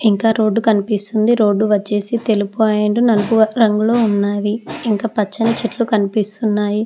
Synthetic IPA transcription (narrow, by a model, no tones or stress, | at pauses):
iŋkaːɾo̞ːɖːukɐnipist̪und̪iɾo̞ːɖːuʋɐt͡ʃːe̞ːsit̪elupuaːjeɳɖunɐlɐpuɾɐŋɡuloːunːaːʋiiŋkaːpɐt͡ʃːɐnɐt͡ʃeʈlukɐnipist̪unːaːji